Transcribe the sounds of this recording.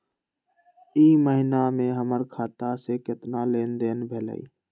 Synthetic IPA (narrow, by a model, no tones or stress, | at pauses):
iːməɦɪnamẽɦəməɾkʰaːt̪asekɪt̪naleːnd̪eːnbʱeːlə̰ḭː